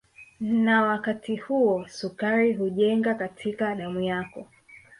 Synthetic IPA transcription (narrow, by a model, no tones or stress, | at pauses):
nawakatihuɔsukaɾiɦuʄɛŋɡakatʰikaɗamujakɔ